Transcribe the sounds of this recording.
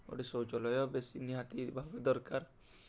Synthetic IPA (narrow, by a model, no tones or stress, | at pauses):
o̰ʈisowt͡ʃɔlɔjɔbesiniɦat̪ibʱabed̪ɔɾkaɾ